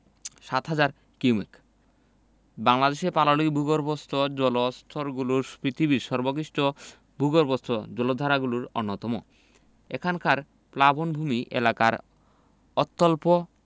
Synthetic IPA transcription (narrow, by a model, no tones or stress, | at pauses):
ʃat̪ɦad͡ʑaɾ | kiwmḛk | baŋlad̪eʃepalolikbʱuɡoɾbost̪od͡ʑɔlost̪ʰoɾɡuluɾpɾit̪ʰibiɾʃɔɾbokɾiʃʈo | bʱuɡoɾbost̪od͡ʑɔlod̪ʱaɾaɡuluɾonːot̪ɔmo̰ | ḛkʰankaɾ | plabʱonbʱumiʔḛlaka̰ɾ | ɔt̪ːolpo